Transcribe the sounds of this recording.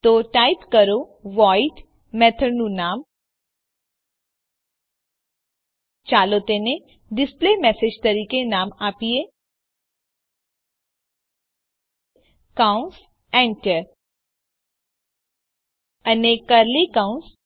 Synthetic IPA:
t̪oʈaːɪpkɐɾoʋaːiʈ | mɛːt̪ʰəɾnunaːm | t͡ʃaːlot̪enẽ | ɖɪspleːmɛːsed͡ʒt̪ɐɾiːkenaːmaːpie | kaʊ̃ns | ɛ̃ːɳʈəɾ | ɐnekɐɾlikãːʊ̃ns

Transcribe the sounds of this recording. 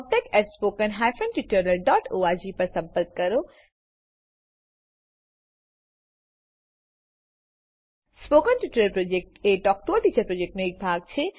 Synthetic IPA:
b̚ʈ̪ekɛʈspoːkənɦaːjfʰənʈuʈəɾnəlɖɔːʈoːaːd͡ʑipɐɾsɐ̃mpəɾk̚kɐɾo | spoːkənʈuʈəɾəlpɾoːd͡ʒek̚ʈeːɖɔːk̚ʈoːʈiːt͡ʃɐɾpɾoːd͡ʒek̚ʈneeːk̚bʱaːɡt͡ʃʰe

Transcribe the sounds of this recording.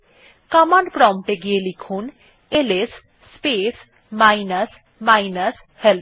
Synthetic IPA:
kamanpɾɔmʈeɡijelikʰun | elesː | pes | majnəs | majnəs | hel

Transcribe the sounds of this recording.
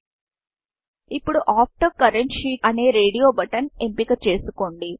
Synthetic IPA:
ipːuɽuʔaːp̚ʰʈoːkɐɾeɳʈʃiːɐne̞ːɾe̞ːɽijo̞ːbɐʈɐnempikɐt͡ʃe̞ːsukoːɳɖi

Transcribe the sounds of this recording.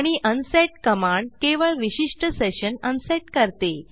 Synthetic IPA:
ɽ̃iʔənsɛʈkəmãɳɖ̚keʋəɭʋiɕiʂʈəseɕənənsɛʈkəɾt̪e

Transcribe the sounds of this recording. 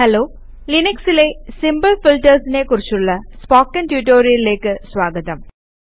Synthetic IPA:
hɐloː | lineksileːsimbɐlfilʈɐɾsineːkuɾit͡ɕːuɭːɐspaːkːɐntjuːʈoːɾiɾileːkːɨsʋaːɡɐt̪ɐm

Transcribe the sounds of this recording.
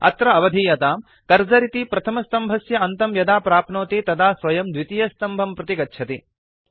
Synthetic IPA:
ɐ̰t̪ɾɐɐʋɐd̪ʱiːjɐt̪aːm | kɐɾd͡ʒɐɾit̪ipɾɐt̪ʰɐmɐst̪ɐmbʱɐsjɐɐnt̪ɐmjɐd̪aːpɾaːpnoːt̪it̪ɐd̪aːsʋɐjɐmd̪ʋit̪ijɐst̪ɐmbʱɐmpɾɐt̪ikɐtːʃʰɐt̪i

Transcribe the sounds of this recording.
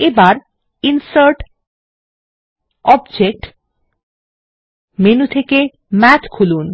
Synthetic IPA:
ebaɾ | insaɾʈ | ɔbd͡ʑek̚ʈ | menut̪ʰeke | mɛt͡ɕkʰulun

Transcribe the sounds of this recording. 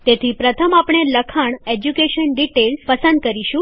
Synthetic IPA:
t̪et̪ʰipɾət̪ʰəmapɳ̃eləkʰaɳ̃ed͡ʑukeɕənɖiʈelspəsənd̪̚kəɾiɕũ

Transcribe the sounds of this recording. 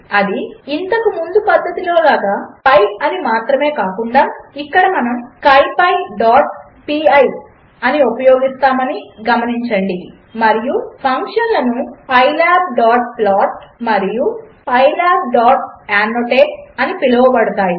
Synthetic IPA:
ɐd̪iːnt̪ɐkumund̪upɐd̪ːɐt̪ilo̞ːlaːɡaːpɐjɐd̪imaːt̪ɾɐme̞ːkaːkuɳɖaːikːɐɽɐmɐnɐmkɐjpɐjɖaːʈ̚ | piːɐj | ɐniupɐjo̞ːɡist̪aːmɐniɡɐmɐniɲt͡ʃɐɳɖi | mɐɾijupʰɐŋkʂɐnlɐnupɐjlaːb̚ɖaːʈ̚plaːʈ̚mɐɾijupɐjlaːb̚ɖaːʈ̚aːnːoːʈeːp̚ɐnipilɐʋɐbɐɽut̪aːji

